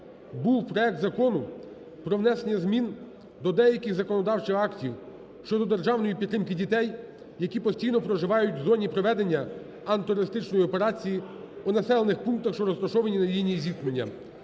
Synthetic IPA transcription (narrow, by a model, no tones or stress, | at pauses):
buwpɾɔɛk̚t̪zɐkɔnʊ | pɾɔwnɛse̞nʲːɐzmʲin | d̪ɔd̪ɛjɐkʲɪɣzɐkɔnɔd̪ɑwt͡ʃɪwɑktʲiw | ʃt͡ʃɔd̪ɔd̪erʒɑwnɔjipʲit̪ɾɪmkɪdʲit̪ɛj | jɐkʲipɔsʲtʲijnɔpɾɔʒɪʋɑjʊt̚ʲwzɔnʲipɾɔʋɛd̪e̞nʲːɐ | ɐnt̪ɔɾɔɾɪst̪ɪt͡ʃnɔjiɔpe̞ɾɑt͡sʲiji | unɐsɛlˠenɪxpunk̚t̪ɐxʃt͡ʃɔɾɔst̪ɐʃɔʋɐnʲinɐlʲijnʲijzʲiknenʲːɐ̰